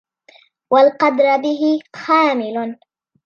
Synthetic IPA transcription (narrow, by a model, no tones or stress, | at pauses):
walqɑd̪ɾbɪɦɪxaːmɪlʊn